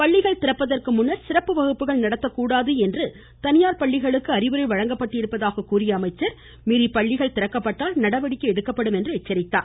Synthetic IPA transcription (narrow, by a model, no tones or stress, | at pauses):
pɐɭːɪɣɐɭt̪ɪɾɐpːɐðɐrkɯmʊnːɐɾsɪɾɐpːɯʋɐɣɯpːɯɣɐɭnɐɽɐt̪ːɐkːuːɽaːðɯɛndrɯ | t̪ɐnɪjaːɾpɐɭːɪɣɐɭɯkːɯɐɾɪʋɯɾɐɪʋɐɻɐŋɡɐpːɐʈːɪɾɯpːɐðaːɣɐkːuːrɪjɐːmɐɪt͡ʃːɐɾ | miɾipɐɭːɪɣɐɭt̪ɪɾɐkːɐpːɐʈːaːlnɐɽɐʋɐɽɪkːɯɛɽɯkːɐpːɐɽɯmɛndrɯɛt͡ʃːɐɾɪt̪ːa̰ː